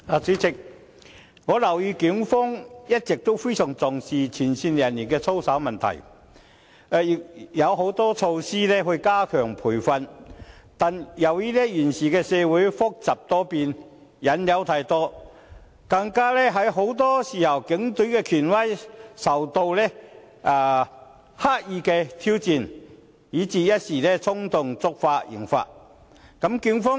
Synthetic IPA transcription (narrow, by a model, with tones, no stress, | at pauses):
aː˨˧t͡siː˨˥t͡sɪ˨k̚ | ŋɔː˨˧lɐ˨˩wjiː˨˧ki˨˥ŋfɔː˥ŋjɐ˥t̚t͡sɪ˨k̚t̪o˥wfe˥jsœː˨˩ŋt͡sɔ˨ŋsiː˨t͡sʰiː˨˩nsiː˧njɐ˨˩nliː˨˩nkɛː˧t͡sʰo˥wsa˨˥wmɐ˨nt̪ʰɐ̰˨˩j | ɛː˨˧ji˨k̚jɐ˨˧wɦo˨˥wt̪ɔː˥t͡ʃʰo˧wsiː˥lɛː˥ɦɵ˧ɥkaː˥kʰœː˨˩ŋpʰuː˨˩jfɐ˧nt̪aː˨njɐ˨˧wjiː˥lɛː˥jiː˨˩nsiː˨kɛː˧sɛː˧wu˨˥jfʊ˥k̚t͡sɐ˨˩p̚t̪ɔː˥piː˧n | jɐ˨˥njɐ˨˥wt̪ʰaː˧jt̪ɔː˥ | kɐ˧ŋkaː˥lɛː˥ɦɐ˨˥jɦo˨˥wt̪ɔː˥siː˨jʰɐ˨˩wkɪ˨˥ŋt̪ɵ˨˥kɛː˧kʰyː˨˩nwɐ˥jsɐ˨˩wt̪o˧wlɛː˥ | ʔaː˨˧ | haː˥t̚jiː˧kɛː˧t̪ʰi˥wt͡siː˨˧n | jiː˨˥t͡siː˨˧jɐ˥t̚siː˨˩lɛː˥t͡sʰʊ˥ŋt̪ʊ˨ŋt͡sʊ˥k̚faː˧˥t̚jɪ̰˨˩ŋfa̰ː˧˥t̚ | kɐ˨˥mky˨˧˥ŋfɔː˥